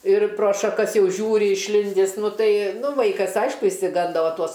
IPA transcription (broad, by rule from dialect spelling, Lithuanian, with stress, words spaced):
ɪr proː ʃɐˈkɐs ˈjɛʊ ˈʒʲuːrʲɪ ɪʃʲˈlʲɪnʲdʲiːs ˈnʊ ˈtɐɪ ˈnʊ ˈʋɐɪkɐs ˈɐɪʃkʊ ɪʃʲsʲɪˈɡɐndoː ˈʋɐ ˈtuɔs